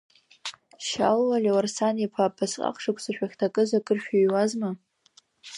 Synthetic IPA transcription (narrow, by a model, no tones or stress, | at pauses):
ʃa̰lwalʲewarsanipʰapʰasqʼa̰qʰʂɨkʷʰʼsɨʃᶣaχʲtʰakʼɨzakʼɨrʃᶣaɥwazma